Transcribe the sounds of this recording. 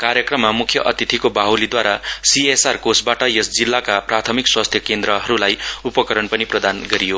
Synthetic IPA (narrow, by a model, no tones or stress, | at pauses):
kaɾjʌkrʌmːamukʰjʌʔʌt̪it̪ʰikobaɦwlid̪waɾasiesarkosbaʈʌjesd͡zilːakaprat̪ʰʌmikswast̪ʰjʌkend̪ɾʌɦʌɾulajupʌkʌɾʌnpʌniprʌd̪anɡʌɾijo